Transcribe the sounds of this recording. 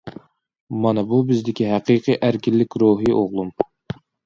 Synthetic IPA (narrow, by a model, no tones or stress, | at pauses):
mɑnɨbubɪzd̪ɪkʲiɦæqiqʰiʔæɾkʲʰilːɪkʲɾuɦiʔoʁlˠum